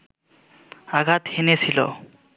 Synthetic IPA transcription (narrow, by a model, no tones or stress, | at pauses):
aɡʱat̪henet͡sʰilo̰